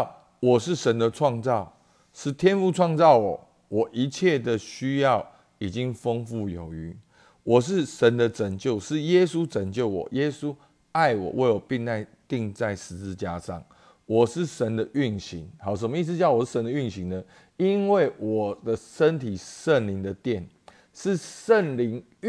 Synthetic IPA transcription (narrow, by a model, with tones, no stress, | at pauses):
wɔ˨˩ʂɻ̩˥˩ʂə˧˦nd̪ə˨ʈ͡ʂʰwɑ˥˧ŋt͡sɑ˥˨ʊ | ʂɻ̩˥˨t̪ʰjɛ˥nfu˥˧ʈ͡ʂʰwɑ˥˧ŋt͡sɑ˥˩ʊwɔ˨˩ | wɔ˨˩ʔi˧˦t͡ɕʰjɛ˥˩d̪ə˨ɕy˦jɑ˥˩ʊ | i˨˩t͡ɕi˦˥ŋfɤ˦ŋfu˥˩jo˨˩ʊy˧˥˦ | wɔ˨˩ʂ̬ɻ̩˥˩ʂə˧˦nd̪ə˨ʈ͡ʂə˨˩ŋt͡ɕjo˥˩ʊʂɻ̩˥˩jɛ˦su˦ʈ͡ʂə˨nt͡ɕjo˥˩ʊwɔ̰˨˩jɛ˦su˦ | a˥˩ɪwɔ̰˨˩wɔ˧˩ɪwɔ˨˩pi˥˧ŋna˥˧ɪt̪i˥˧ŋt͡sa˥˩ɪʂɻ̩˧˥t͡sɹ̩˥˧t͡ɕja˥ʂɑ̰˥˨˩ŋ | wɔ˨˩ʂɻ̩˥˩ʂə˧˦nd̪ə˨ʔy˥˨˩nɕi˨˧˦ŋxɑ˨˩˦ʊʂ̬ə˨˩mə˦i˥˧s̬̩˧t͡ɕjɑ˥˩wɔ˨˩ʂɻ̩˥˩ʂə˧˦nd̪ə˧y˥˩nɕi˧˦ŋnə˧ | i˦nwe˥˩ɪwɔ˨˩d̪ə˦ʂə˦˥nt̪ʰi˨˩ʂə˥˨nli˨˦nd̪ə˨t̪jɛ˥˩n | ʂɻ̩˥˨ʂə˥˨nli˧˥ŋ